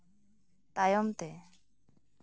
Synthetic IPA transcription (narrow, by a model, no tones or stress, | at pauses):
t̪ajɔmt̪e